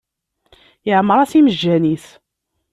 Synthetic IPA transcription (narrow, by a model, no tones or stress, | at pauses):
jəʕmːɾˤɑsiməd͡ʒːæniθ